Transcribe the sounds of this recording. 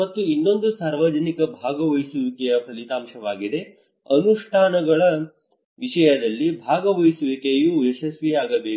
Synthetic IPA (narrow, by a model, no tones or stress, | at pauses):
mɐt̪ːuinːo̞nd̪usaːɾʋad͡ʒɐnikɐbʱaːɡɐʋɐjsuʋikɛjɐpʰɐlit̪aːmʂɐʋaːɡid̪e̞ | ɐnuʂʈʰaːnɐɡɐɭɐ | ʋiʂɐjɐd̪ɐlːibʱaːɡɐʋɐjsuʋikejuːeʃɐsʋiaːɡɐbeː